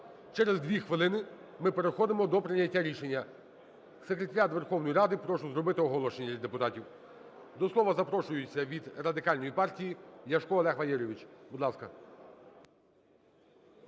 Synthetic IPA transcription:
t͡ʃɛɾezd̪ʲʋʲixʋɪlˠɪnɪ | mɪpeɾexɔd̪ɪmɔd̪ɔpɾɪnʲːɐtʲːaɾʲiʃe̞nʲːɐ | sekɾet̪ɐɾʲat̪ʋerxɔwnɔjɾɑd̪ɪpɾɔʃʊzɾɔbɪt̪ɪɔɦɔlˠɔʃenʲɐlʲid̪epʊt̪ɑtʲiw | d̪ɔslˠɔʋɐzɐpɾɔʃʊjʊt͡sʲːɐʋʲid̪rɐd̪ɪkɑlʲnɔjipɑrtʲijijʲɐʃkɔɔlˠɛxʋɐjɛɾʲɔʋʲit͡ʃbud̪lˠɑskɐ

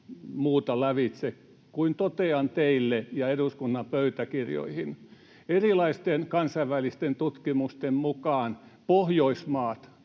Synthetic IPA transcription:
muːt̪ɑlæʋit̪sek | kuint̪ot̪eɑnt̪eilːejɑeduskunːɑpøyt̪ækirjo̰ihin | erilɑist̪enkɑnsɑiʋʋælist̪ent̪ut̪kimust̪emmukɑːnpohjoismɑːt̪

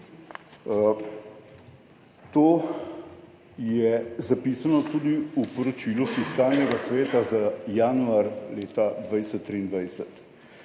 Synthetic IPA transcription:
t̪oː | jɛzapiːsanɔt̪uːd̪iupɔɾɔt͡ʃiːlufiskaːlnɛɡasʋeːt̪azajaːnuaɾleːt̪ad̪ʋajsɛt̪ːɾiːnd̪ʋajsɛt̪

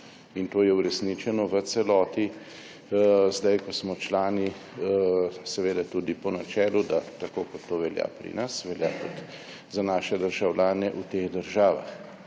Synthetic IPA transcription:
int̪oːjɛuɾɛsnit͡ʃɛnɔʋət̪sɛlɔːt̪i | zd̪ajkɔsmɔt͡ʃlaːni | sɛʋeːd̪at̪ud̪ipɔnat͡ʃɛːlud̪at̪akoːkɔt̪ːoːʋɛlja̰pɾḭnasʋɛlja̰t̪ut̪ | zanaːʃɛd̪əɾʒawlaːnɛʔut̪eːɣd̪əɾʒaːʋa̰x

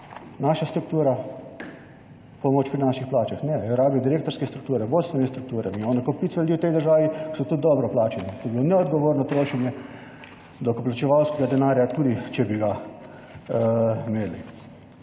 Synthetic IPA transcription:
naːʃast̪ɾuk̚t̪uːɾa | pɔmoːt͡ʃpɾinaʃixplaːt͡ʃaxnɛɾaːbijɔd̪iɾeːkt̪ɔɾskɛst̪ɾuk̚t̪uːɾɛboːlsʋɛnɛst̪ɾuk̚t̪uːɾɛ̰miɔːnɛkɔpit̪sʋɛld̪iwt̪ɛjd̪əɾʒaːʋiksɔt̪ud̪ɔbɾɔplaːt͡ʃɛnit̪obilonɛɔd̪ɡɔʋoːɾnɔt̪ɾoːʃɛnjɛ | d̪ɔkoplat͡ʃɛʋawskɛɡad̪ɛnaːɾjat̪uːd̪it͡ʃɛbiɡa | meːlḭ

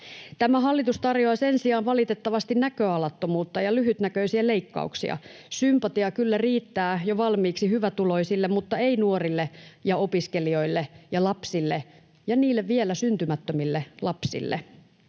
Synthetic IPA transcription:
t̪æmæhɑlːit̪ust̪ɑrjoɑsensiɑːnʋɑlit̪et̪ːɑʋɑst̪innækøɑlɑt̪ːomuːt̪ːɑjɑlyɦyt̪nækøisiæleikːɑ̰uksḭɑ̰ | sympɑt̪iɑkylːæriːt̪ːæːjoʋɑlmiːksihyʋæt̪uloisilːemmut̪ːɑeinuorilːejɑopiskelio̞ilːejɑlɑpsilːe | jɑniːlːeʋʋielæsynt̪ymæt̪ːømilːelɑpsḭlːḛ

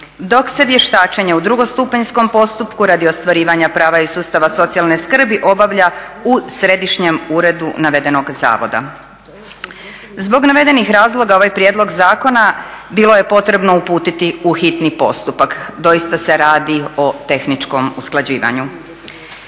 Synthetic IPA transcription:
d̪o̞kse̞ʋje̞ʃt̪aːt͡ʃeɲe̞ud̪ɾuɡo̞st̪upeɲsko̞mpo̞st̪upkuɾad̪io̞st̪ʋaɾiːʋaɲapɾaːʋaisuːst̪aʋaso̞t̪sialneskr̩biʔo̞baʋʎausɾe̞d̪iʃɲemuɾe̞d̪unaʋe̞d̪e̞no̞ɡza̰ːʋo̞̰d̪a̰ | zbo̞ɡnaʋe̞d̪e̞nixɾaːzlˠo̞ɡao̞ʋajpɾjed̪lo̞ɡzaːko̞nabilˠo̞je̞po̞t̪ɾe̞bno̞upuːt̪it̪iuxit̪nipo̞̰st̪upakd̪o̞jist̪ase̞ɾaːd̪io̞t̪e̞xnit͡ʃko̞musklˠad͡ʑiːʋa̰ɲu

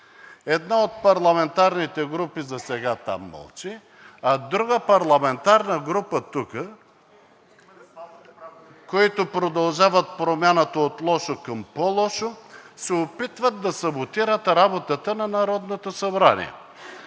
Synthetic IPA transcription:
ɛd̪naot̪pɐɾlˠɐmɛnt̪aɾnit̪ɛɡɾupizɐsɛɡat̪a̰mːə̰lˠt͡ʃi | ɐd̪ɾuɡəpɐɾlˠɐmɛnt̪aɾnəɡɾupət̪ukə | koit̪opɾod̪ɐlˠʒavət̪̚pɾomʲjanət̪ɐot̪lˠɔʃokɐmpolˠɔʃosɛopit̪vəd̪̚d̪ɐsɐbot̪iɾət̪ɾabot̪ət̪ənɐnɐɾɔd̪not̪osɐbɾanḭɛ̰

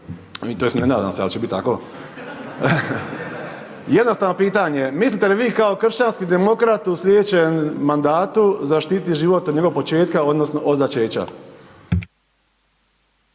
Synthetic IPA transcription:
it̪oesnenaːd̪a̰msea̰lt͡ʃebit̪t̪ːa̰ko̞ | jed̪nost̪aːʋno̞piːt̪aɲemislit̪eliʋiːkao̞kr̩ʃt͡ɕanskid̪emo̞kɾat̪uslʲed̪et͡ɕenmand̪aːt̪uzaʃt̪it̪iʒiːʋo̞t̪od̪ɲeɡokpot͡ʃe̞ːt̪kao̞d̪nosno̞ʔod̪zat͡ʃeːt͡ɕa̰

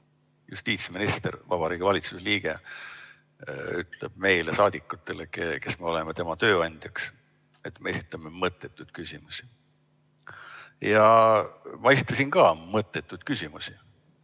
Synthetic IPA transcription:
just̪iːt̪sminist̪ḛɾvɑb̥ɑɾiːɡ̥ivɑlit̪suseliːɡ̥e̞̰ | yt̪ˑle̞̰b̥me̞jlesɑːd̪̥ikːˑut̪ːˑe̞lekeke̞sme̞ole̞met̪e̞mɑt̪ø̞ːɑnʲd̪̥jɑks | e̞t̪mee̞sʲit̪ːˑɑme̞mɤt̪ːˑe̞t̪ːˑud̪̥kysimusi̥ | jɑ | mɑe̞si̥t̪ːˑɑsinkɑːmɤt̪ːˑe̞t̪ːˑud̪̥kysʲimusi

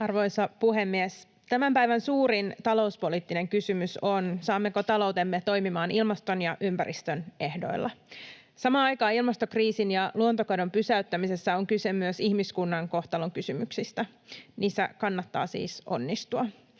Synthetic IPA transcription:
ɑrʋo̞jsɑpuɦemːies | t̪æmæmpæjʋænsuːɾint̪ɑlo̞uspoliːt̪ːine̞ŋkysymysonsɑːmːe̞kot̪ɑlowt̪e̞mːet̪o̞jmimɑːnilmɑst̪o̞njɑʔympæɾʔḭst̪øne̞hdo̞̰ilːɑ | sɑmɑːɑjkɑːilmɑst̪okriːsinjɑluont̪okɑdo̞mpysæyt̪ːæmise̞sːæoŋkysemyøsihmiskunːɑŋko̞ht̪ɑloŋkysymyksist̪æ | niːsːæ̰kɑnːɑt̪ːɑ̰ːsḭːsʔo̞̰nːist̪uɑ

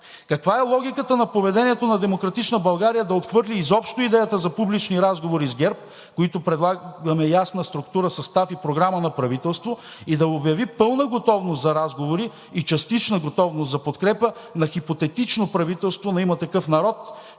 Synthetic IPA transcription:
kɐkvaɛlˠɔɡʲikət̪ənɐpovɛd̪ɛniɛt̪onɐd̪ɛmokɾɐt̪it͡ʃnəbɐlˠɡaɾijəd̪ɐot̪xvɤɾlʲiːzɔpʃt̪oid̪ɛjət̪əzɐpublit͡ʃniɾazɡovoɾizɡʲɛɾp̚ | koit̪opɾɛd̪lˠaɡɐmɛjasnəst̪ɾʊk̚t̪uɾəsɐst̪afipɾoɡɾamənɐpɾɐvit̪ɛlˠst̪vo | id̪ɐobjɐvipɤlˠnəɡot̪ɔvnost̪zɐɾazɡovoɾiː | t͡ʃɐst̪it͡ʃnəɡot̪ɔvnost̪zɐpot̪kɾɛpənɐxipot̪ɛt̪it͡ʃnopɾɐvit̪ɛlˠst̪vonɐimət̪ɐkɤfnɐɾɔt̪

